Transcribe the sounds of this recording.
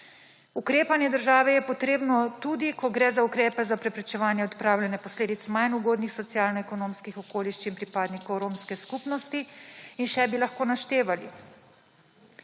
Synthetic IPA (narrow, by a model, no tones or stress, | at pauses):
ukɾeːpanjɛd̪əɾʒaːʋɛjɛpɔt̪ɾeːbnɔt̪ud̪ikɔɡɾɛzaukɾɛːpɛzapɾɛpɾɛt͡ʃɛʋaːnjɛɔt̪pɾaːwlʲjɛnɛpɔsleːd̪it̪smajnuɡoːd̪nixsɔt̪sjaːlnɔɛkɔnoːmskixɔkoːliʃt͡ʃinpɾipaːd̪nikɔwɾoːmskɛskupnɔst̪iinʃɛbilaxkoːnaʃt̪eːʋalḭ